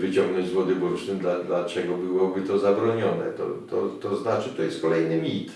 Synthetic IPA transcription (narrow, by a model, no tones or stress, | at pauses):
vɘt͡ɕɔ̃ŋɡnɔ̃ɲd͡ʑzwɔd̪ɨbuɾt͡ʂnɘmd̪lad̪lat͡ʂɛɡɔbɘwɔbɘt̪ɔzabɾɔɲɔnɛ̰t̪ɔ̰t̪ɔt̪ɔznat͡ʂɘt̪ɔjɛst̪kɔlɛjnɘmʲit̪